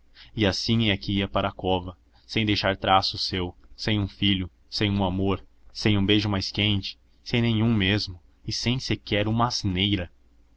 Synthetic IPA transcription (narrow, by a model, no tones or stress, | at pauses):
ɪasĩŋɛɐkɪiɐpaɾɐakɔvɐ | sẽj̃d̪ejʃaɾt̪ɾasʊsewsẽj̃ũfiʎʊ | sẽj̃ũamoɾsẽj̃ũbeʒʊmajskẽnt͡ʃɪ̥ | sẽj̃nẽj̃ũmezmʊ | ɪsẽj̃sɪkɛɾũmɐːznejɾɐ